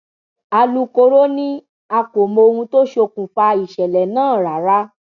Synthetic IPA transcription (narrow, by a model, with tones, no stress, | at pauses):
a˧lu˧ko˧ɾo˦nĩ˦ | a˧ko˨mo˧o˧hũ˧to˦ʃo˧kũ˨fa˧i˨ʃɛ˨lɛ˨nãː˦˨ɾa˨ɾa˦